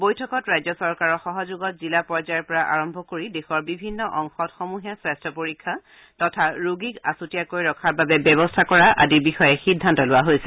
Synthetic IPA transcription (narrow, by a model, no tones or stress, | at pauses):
bojtʰɔkɔtɹajzɔsɔɹkaɹɔxɔɦɔzuɡɔt̚zilapɔɹzajɔɹpɔɹaʔaɹɔmbʱɔkoɹidexɔɹbibʱinːɔʔɔŋxɔtxɔmuɦijasɹɛstʰɔpoɹikʰːa | tɔtʰaɹuɡikasutijakojɹɔkʰaɹbabɛbɛβɔstʰakɔɹaʔa̰diɹbixɔjɛxidʱːantɔlʊaɦojsɛ̥